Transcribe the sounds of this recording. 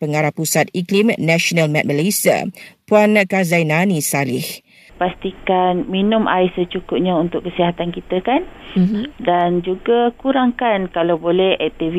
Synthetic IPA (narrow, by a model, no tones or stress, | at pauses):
pəŋaɾahpusat̪̚iklimnaʃonalmɛ̃t̪̚məlesia̰puankazajnãnisalɪh | past̪ikanminʊ̃mʔa̰jsət͡ʃukʊp̚ɲãunt̪ʊʔkːəsiɦat̪ankit̪akan | dand͡ʒuɡakuɾaŋkankalawbolɛhɛk̚t̪iv